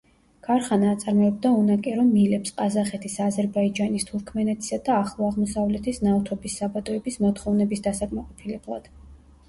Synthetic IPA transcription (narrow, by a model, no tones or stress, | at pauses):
ɡ̥aɾχanaːt̪sʼaɾmɔɛb̚d̪aunakʼɛɾɔmilɛpsqʼazaχɛt̪ʰisazɛɾbaid͡ʒanist̪ʰuɾkʰmɛnɛt̪ʰi̥sad̪aːχlˠɔaʁmɔsavlɛt̪ʰisnaft̪ʰɔbisːabad̪ʼɔɛbismɔt̪ʰχɔvnɛbisd̪asakʼmaqʼɔpʰilɛblˠa̰d̪̥